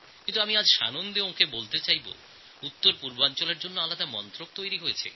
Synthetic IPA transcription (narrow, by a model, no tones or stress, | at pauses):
kint̪uamiad͡ʑʃa̰nond̪eookʰebolt̪et͡ɕajbo̰ | ut̪ːoɾpuɾboant͡ɕoleɾd͡ʑonːoalad̪amɔnt̪ɾok̚t̪ojɾiɦojet͡ɕʰḛ